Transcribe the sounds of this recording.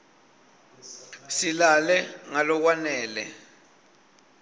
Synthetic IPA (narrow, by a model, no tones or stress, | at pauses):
silalɛŋalɔk̬wanɛːlɛ̰